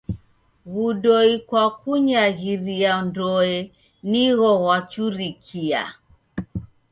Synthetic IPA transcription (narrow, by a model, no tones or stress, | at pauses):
ɣuɗɔikwakuɲaɣiɾiandɔɛ | niɣɔɣwat͡ʃuɾikʰia̰